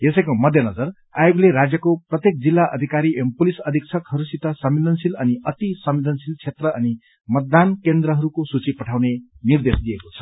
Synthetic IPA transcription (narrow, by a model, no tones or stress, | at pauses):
jesʌjkomʌd̪ʱjʌnʌd͡zʌr | ajoɡleɾad͡zjʌkoprʌt̪jek̚d͡zilːaʔʌ̰d̪ʱikaɾiʔempulisʌd̪ʱik̚t͡sʰʌkhʌɾusit̪ʌsʌmːilʌnsilʌniʌt̪isʌmːilʌnsilt͡sʰet̪rʌʔʌni | mʌt̪̚d̪ankend̪ɾʌɦʌɾukosut͡sipʌʈʰawnenird̪esd̪ijekot͡sʰʌ̥